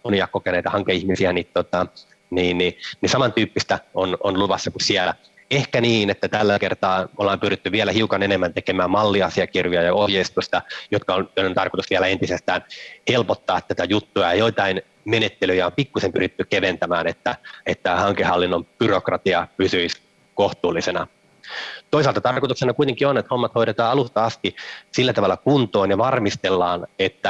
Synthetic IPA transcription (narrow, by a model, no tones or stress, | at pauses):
oniɑkokeneit̪ɑhɑŋkeihmisiænit̪tot̪ɑ | niːnːinisɑmɑnt̪yːpːist̪æononluʋɑsːɑkusiælæ | ehkæniːnet̪ːæt̪ælːækert̪ɑːolːɑːmpyrit̪ːyʋiælæhiukɑnenemːænt̪ekemæːmmɑlːiɑsiɑkirjojɑjɑohjeist̪usʲt̪ɑjot̪kɑont̪onːent̪ɑrkot̪usʋiælæent̪isest̪æːnhelpot̪ːɑːt̪ːæt̪æjut̪ːujɑjɑjoit̪ɑin | menet̪ːelyjɑompikːusempyrit̪ːykeʋent̪æmæːnet̪ːæet̪ːæhɑŋkehɑlːinːomb̥yrokrɑt̪iɑpysyis | koht̪uːlːˑisenɑ̰ | t̪oisɑlt̪ɑt̪ɑrkoit̪uksenɑkuit̪eŋkionːet̪homːɑt̪hoiɾet̪ɑːɑlust̪ɑɑst̪isilːæt̪ɑʋɑlːɑkunt̪oːnjɑʋɑrmist̪elːɑːnet̪ːæ